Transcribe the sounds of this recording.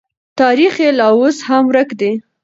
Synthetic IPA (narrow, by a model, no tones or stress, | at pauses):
t̪ɑɾixelɑwoshamwɾəkd̪e